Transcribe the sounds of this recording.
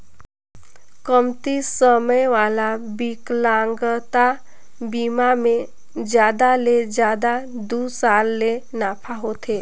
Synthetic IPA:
kəmt̪isəməjʋaːlabiklãːŋɡət̪a | biːmamẽ | d͡ʒjaːd̪aled͡ʒjaːd̪ad̪uːsaːlːenaːpʰaɦot̪ʰeː

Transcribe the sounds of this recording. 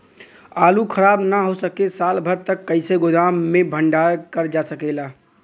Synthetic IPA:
aːlukʰəɾaːbnaɦosəkesalbʱəɾt̪əkːəɪseɡod̪amːebʱəɳɖaɾkəɾd͡ʒasəkɛɪla

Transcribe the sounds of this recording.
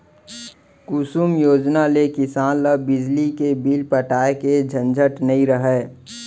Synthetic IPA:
kusuːmjoːd͡ʒnalekɪsaːnləbɪd͡ʒlikebiːlpəʈaːeked͡ʒʱə̃nd͡ʒʱəʈnəĩɾəɦɛː

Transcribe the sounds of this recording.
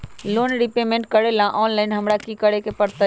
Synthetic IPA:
loːnɾipemẽɳʈ̚kəɽelãʔɔːnlaːɪnɦəmɾakikəɽekepəɾt̪ə

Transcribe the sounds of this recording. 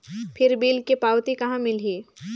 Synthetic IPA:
pʰɪɾbiːlkepaːwt̪ikɐɦãmɪleː

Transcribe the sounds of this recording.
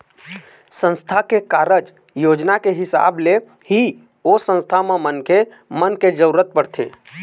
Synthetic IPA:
sə̃nst̪ʰakekaːɾəd͡ʒ | joːd͡ʒnakeɦɪsa̰ːble | hi | osə̃nst̪ʰamẽmənke | mənked͡ʒəɾuɾət̪̚pəɽt̪ʰḛː

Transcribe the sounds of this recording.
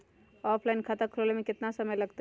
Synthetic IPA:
ɔːpʰlaɪnkʰat̪akʰɾolemẽkɪt̪nasəməjlɐɡt̪e

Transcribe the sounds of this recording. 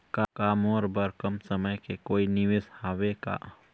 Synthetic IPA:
kakaːmɔːɾbəɾkəmsəməjkekoːinɪʋeshaːʋeka̰ː

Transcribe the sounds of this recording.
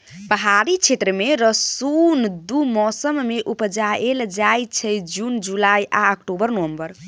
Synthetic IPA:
pəɦaɾit͡ʃʰet̪ɾəmeɾəsund̪umɔsəmːeʔupd͡ʒaeld͡ʒajt͡ʃʰɛd͡ʒund͡ʒulajʔa̰əkʈobəɾnəʋəmbəɾ

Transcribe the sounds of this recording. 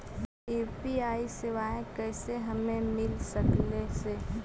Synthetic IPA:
eːpiaːisɪʋaːẽkɛːseɦɐmẽmɪlsəklese

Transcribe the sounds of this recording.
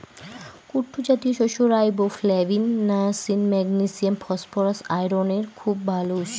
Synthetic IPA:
kuʈʰːud͡ʑat̪ioʃoʃoɾajboflɛvinːasinmɛɡnisiamfɔspoɾasajɾoneɾkʰubːʱalouʃ

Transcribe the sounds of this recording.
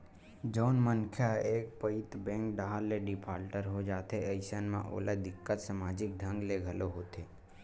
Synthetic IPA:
d͡ʒɔːnmənkʰjaeːk̚pəɪt̪bɛ̃ːŋkɖaɦalːeɖɪpʰaːɾʈəɾɦod͡ʒaːt̪eəɪsənmḛ̃ʔo̰ːləd̪ɪkːət̪samaːd͡ʒɪk̚d̪ʱə̃ŋɡleɡʱəloɦoːt̪eː

